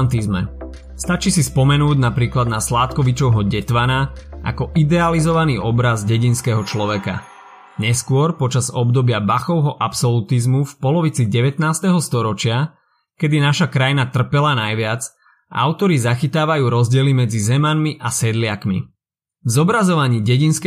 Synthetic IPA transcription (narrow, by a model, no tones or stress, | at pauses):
nt̪izmɛ̰ | st̪at͡ʃisispɔmɛnuːɟnapɾiːklad̪naslaːt̪kɔʋit͡ʃɔʊɦɔɟɛt̪ʋanaʔa̰kɔʔid̪ɛalizɔʋaniːʔɔbɾazɟɛɟinskɛɦɔt͡ʃlɔʋɛka̰ | ɲɛskʊɔɾpɔt͡ʃazɔbd̪ɔbɪabaxɔʊɦɔʔapsɔlut̪izmufpɔlɔʋit͡siɟɛʋɛt̪naːst̪ɛɦɔst̪ɔɾɔt͡ʃɪa | kɛd̪inaʃakɾajnat̪r̩pɛlanajʋɪad͡z | ʔa̰ʊt̪ɔɾizaxit̪aːʋajuːɾɔzɟɪɛlimɛd͡zizɛmanmiʔasɛd̪lɪakmḭ | vzɔbɾazɔʋaɲiːɟɛɟinsk